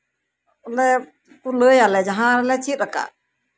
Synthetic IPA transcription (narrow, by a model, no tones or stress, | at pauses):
lɛ | puləjalɛd͡ʒaɦãɾɛlɛt͡ʃʰiɾəka̰